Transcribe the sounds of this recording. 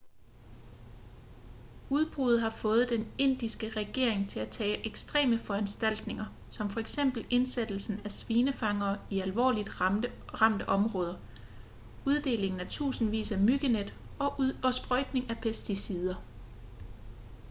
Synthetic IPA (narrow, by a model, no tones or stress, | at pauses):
uð̞ˠb̥ʁuð̩ˠɦɑ̈fɔ̽ːð̞̩ˠd̥ene̝n̰d̥isɡ̥əʁɛɡ̥e̝̰ɐe̝ŋt͡sʰe̝læt͡sʰɛ̰ːʔeɡ̥sd̥ʁḛːməfɒ̽ænsd̥æl̰d̥ne̝ŋɐ | sɒ̽mfɒ̽eɡ̥sem̰b̥l̩e̝nsed̥l̩sn̩æsʋiːnəfɑ̈ŋɐːiælʋɒ̰ːlid̥ʁɑ̈m̰d̥əʔɒ̽mʁɔ̽ːð̞ˠɐ | uð̞ˠd̥e̝̰ːle̝ŋn̩æɐt͡sʰṵːsn̩ʋḭːsæmyɡ̥əned̥ | ɒ̽ɒ̽sb̥ʁœd̥ne̝ŋæpʰesd̥isið̞ˠɐ